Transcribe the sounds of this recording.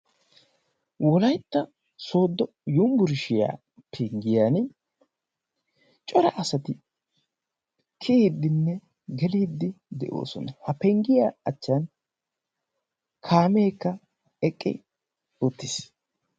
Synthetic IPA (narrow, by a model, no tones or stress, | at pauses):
wɔlɐjt̪ːɐ | so̞ːd̪ːɔ | jʊmbʊɾɪʃɪja̰ː | pʰɛŋɡɪjaːn | t͡ʃʼɔɾɐʔɐsɐt̪ɪ | kʰɪiːd̪ːɪnːɛ | ɡɛliːd̪ːɪd̪ɛ̰ʔo̞̰ːsɔnɐhɐpɛŋɡɪja̰ːɐt͡ʃːan | kʰaːmeːkːɐ | ɛkʼːɪ̰ | ɔt̪ːɪs